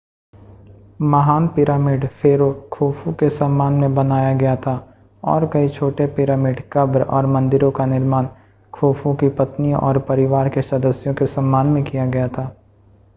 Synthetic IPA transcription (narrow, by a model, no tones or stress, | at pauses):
mɐɦaːnpɪɾaːmiːɖfʰeːɾokʰoːfũkesɐmːaːnmẽbɐnaːjaɡɐjat̪ʰa | ɔ̰ːɾkɐit͡ʃʰoːʈepɪɾaːmiːɖkɐbɾɔ̰ːɾmɐ̃nd̪ɪɾõkanɪɾmaːn | kʰoːfõkipɐt̪nĩʔɔːɾpɐɾɪʋaːɾkesɐd̪əsjõkesɐ̃mːaːnmẽkijaɡɐjat̪ʰaː